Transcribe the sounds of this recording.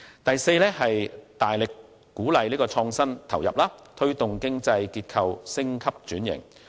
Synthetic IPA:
t̪ɐ˨jse˧jlɛː˥hɐ˨jt̪aː˨jlɪ˨kː | uː˨˥lɐ˨˧jliː˥kɔː˧t͡sʰɔː˧ŋsɐ˥nt̪ʰɐ˨˩wjɐ̰˨p̚laː˥t̪ʰɵ˥ɥt̪ʊ˨ŋkɪ˥ŋt͡sɐ˧jkiː˧t̚kʰɐ˧wsɪ˥ŋkʰɐ˥p̚t͡ʃyː˨˥njɪ̰˨˩ŋ

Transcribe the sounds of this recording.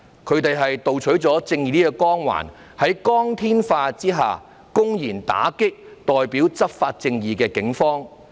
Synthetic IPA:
kʰɵ˨˧ɥt̪e˨jɦɐ˨jt̪o˨wt͡ʃʰɵ˨˥ɥt͡sɔː˨˥t͡sɪ˧ŋjiː˨˩iː˥ɛ˧kɔː˥ŋwa̰ː˨˩n | hɐ˨˥jkɔː˥ŋt̪ʰiː˥nfaː˧t͡siː˥ɦa̰ː˨˩ | kʊ˥ŋjiː˨˩nt̪a̰ː˨˥kɪ˥k̚t̪ɔː˨jpiː˨˥wt͡sɐ˥p̚faː˧t̚t͡sɪ˧ŋjiː˨kɛː˧kɪ˨˥ŋfɔː˥ŋ

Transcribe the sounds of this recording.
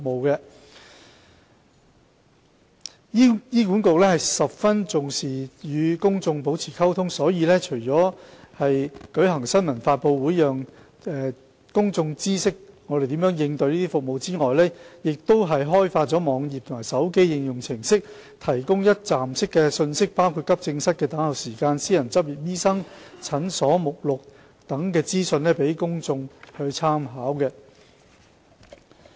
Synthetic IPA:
k̚mo˨˧wkɛ˧ | ji˥iː˥kuː˨˥nko˨w̚lɛː˥hɐ˨˩jsɐ˨p̚fɐ˥nt͡sʊ˨ŋsiː˨jyː˨˧kʊ˥ŋt͡sʊ˧ŋp̬o˨˥wt͡sʰiː˨˩kʰɐ˥wt̪ʰʊ˥ŋsɔː˨˥jiː˨˧lɛː˥t͡ʃʰɵ˨˩jt͡sɔː˨˥hɐ˨jkɵ˨˥ɦɐ˨˩ŋsɐ˥nmɐ˨˩nfaː˧t̚po˧wwuː˨˥jjœː˨ŋ | ɛː˨ | kʊ˥ŋt͡sʊ˧ŋt͡siː˥sɪ˥k̚ŋɔː˨˧ɾe˨jt̪iː˨˥mjœː˨˥ŋjɪ˧ŋt̪ɵ˧ɥliː˥t̪iː˥fʊ˨k̚mo˨wt͡siː˥ŋɔː˨jlɛː˥jɪ˨k̚t̪o˥wɦɐ˨jɦɔː˥jfaː˧t̚t͡sɔː˨˥mɔː˨˧˥ŋjiː˨p̚t̪ʰʊ˨˩maː˨˩sɐ˨˥wke˥jːɪ˨˧ŋjʊ˨ŋt͡sʰɪ˨˩ŋsɪ˥k̚ | t̪ʰɐ˨˩jkʊ˥ŋjɐ˥t̚t͡saː˨msɪ˥kːɛː˧sɵ˧nsɪ˥k̚paː˥wkʰuː˧t̚kɐ˥p̚t͡sɪ˧ŋsɐ˥t̚kɛː˧t̪aː˨˥hɐ˨wsiː˨˩kaː˧nsiː˥jɐ˨˩nt͡sɐ˥p̚jiː˨˩p̚jiː˥sɐ˥ŋt͡sʰɐ˨˥nsɔː˨˥mʊ˨k̚lʊ˨k̚ | t̪ɐ˨˥ŋkɛː˧t͡siː˥sɵ˧nlɛː˥pe˨˥jkʊ˥ŋt͡sʊ˧ŋhɵ˧ɥt͡sʰaː˥mɦaː˨˥wkɛː˧

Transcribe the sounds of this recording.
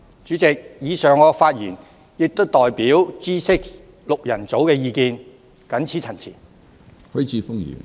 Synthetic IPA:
t͡ʃy˨˥t͡sɪ˨k̚jiː˨˧sœː˨ŋɔː˨˧faː˧t̚jḭː˨˩n | jɪ˨k̚t̪o˥wt̪ɔː˨jpiː˨˥wt͡siː˥sɪ˥k̚ | lʊ˨k̚jɐ˨˩nt͡so˨˥wkɛː˧jiː˨˧kiː˧n | kɐ˨˥nt͡sʰi˨˥t͡sʰɐ˨˩nt͡sʰḭː˨˩n | hɵ˨˥t͡sʰiː˨˧fʊ˥kjy̰ː˨˩n

